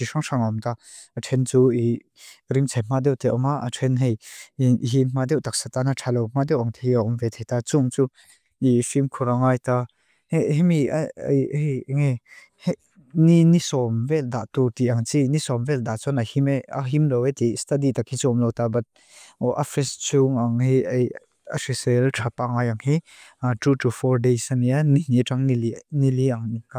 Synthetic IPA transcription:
iʂaŋʂaŋɔmt̪a | ʔaʈ͡ʂʰɛnt͡sui | rimt͡sʰajm̥ad̪ɛwt̪ɛʔɔmaʔaʈ͡ʂʰɛnɦɛj | ɦim̥ad̪ɛwt̪ak̚sat̪anaʈ͡ʂʰalɔwm̥ad̪ɛwʔaŋt̪ʰejaʔɔmvɛt̪ʰɛjt̪at͡suŋt͡su | ifimkʰuɾaŋajt̪a | heʔɦɛmiajŋɛ | h | ninisɔmvɛld̪a̰ʔt̪ut̪iʔaŋt͡sinisɔmvɛld̪aʔt͡sɔnahimea̰ɦimlɔwet̪ist̪adit̪akit͡sɔmlɔwt̪abɐt̪̚ | ɔʔafɾɛst͡suŋaŋɦiʔej | a̰sisltʰapaŋaːjɐŋhi | atutʰufɔɹdesanianiniʈ͡ʂaŋniliniliʔaŋnika

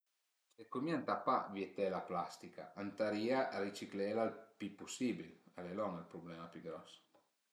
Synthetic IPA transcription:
sekːomiant̪apa̰vjiet̪ɛlaplast̪ika̰ʔant̪aɾiːaʔarit͡ʃiklɛlalpipːusiːbilalelɔŋelpɾublɛːmapiɡɾɔs

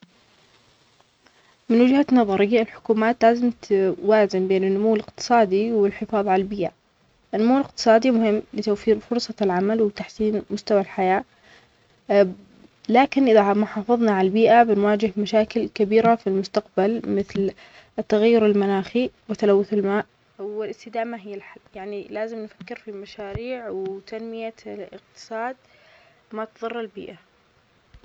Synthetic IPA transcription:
mɪnwɪd͡ʒhanɑðˤɑɾɪjːaɪlħʊ̥kuːmaːt̪laːzɪmt̪waːzɪmbeːnɪnːʊmuːlɪqt̪ɨ̥sˤɑːd̪iwɪlħɪfɑːðˤʕalalbiːʔa | ʔɪnːʊmuːlɪq̚t̪ɨ̥sˤɑːd̪imʊhɪmːlɪt̪awfiːɾfʊɾsˤɑlʕamalwɪt̪aħsiːnmʊst̪awalħajaː | laːkɪnʔɪðamʊħɑːfɨðˤnɑʕalbiːʔabɪnwaːd͡ʒɪɦmaʃaːkɪlkabiːɾafilmʊst̪aqbalmɪθl | t̪ːaɣajːʊɾɪlmanaːxiwɪt̪ːalawːʊθɪlmaːʔ | wɪlɪst̪ɪd̪aːmaɦɪjːalħajaʕnilaːzɪmnfḁkːɪɾfimaʃaːɾiːʕwɪt̪anmɪjaɪq̚t̪ɨ̥sˤɑːd̪̚ | mat̪ðˤɨrˤːalbḭːʔa

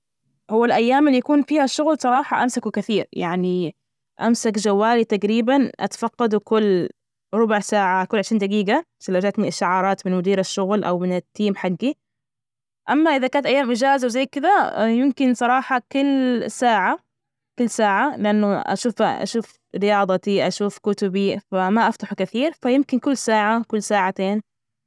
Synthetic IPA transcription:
hʊwːalʔajːaːmɪlːijakuːnfiːhaʃːʊɣlsˤɑɾˤɑːħɑʔamsakwkɪθiːɾjaʕni | ʔamsakd͡ʒawːaːlit̪aɡɾiːbanʔa̰t̪ḁfɑqːɑd̪ukʊlː | ɾˤʊbʊʕsaːʕakʊlːʕɪʃɾiːnd̪aɡiːɡa | sɪlːawd͡ʒat̪niʔaʃːaʕɑːɾˤɑːt̪mɪnmʊd̪iːɾaʃːʊɣlʔa̰wmɪnɪt̪ːiːmħaɡːi | ʔamːaʔɪðakaːnt̪ʔajːaːmʔɪd͡ʒaːzawzajːkɪd̪ajɪmkɪnsˤɑɾˤɑːħɑkʊlːsaːʕa | kʊlːsaːʕalɪʔanːʊʔa̰ʃuːfʔa̰ʃuːf | ɾɪjɑːd̪ˤɑt̪iʔaʃuːfkʊt̪ʊbifamaʔaft̪ɑħkaθiːɾfajɪmkɪnkʊlːsaːʕakʊlːsaːʕat̪eːn

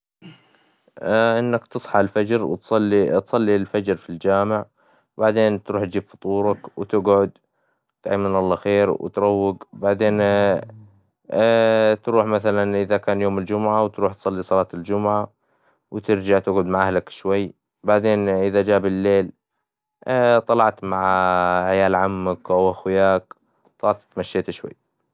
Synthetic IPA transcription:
ʔɪnːakt̪ɨsˤħɑʕɪlfad͡ʒɾwt̪sˤɑlːit̪sˤɑlːilfad͡ʒɾfild͡ʒaːmɪʕ | baʕd̪eːnt̪ɾuːħt̪̚d͡ʒiːbfʊ̥t̪ˤuːɾˤɑkwt̪ɪɡʕʊd̪ | t̪ʕamːɪnʔɑlˤːɑxeːɾwɪ̰t̪ɾˤɑwːɪɡbaʕd̪eːn | t̪ɾuːħmaθalanʔɪðakaːnjoːmɪld͡ʒʊmʕawt̪ɾuːħt̪sˤɑlːisˤɑlɑːt̪ɪld͡ʒʊmʕa | wt̪ɪɾd͡ʒaʕt̪ɪɡʕʊd̪maʕʔahlakʃwajː | baʕd̪eːnʔɪðad͡ʒaːbɪlːeːl | t̪ˤɑlɑʕt̪maʕħajaːlʕamːakʔawʔaxwjaːk | t̪ˤɑʕt̪t̪maʃːeːt̪ʃwa̰jː

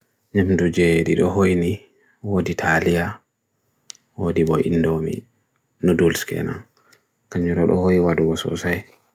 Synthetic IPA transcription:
ɲamdud͡ʒɛɗiɗɔɦojni | woditʰalija | wodibɔʔḭnːdomḭ | nudulskɛ̰na̰n | kaɲːuɾɔɗɔ̰hojiwaduɡɔsɔ̰saj

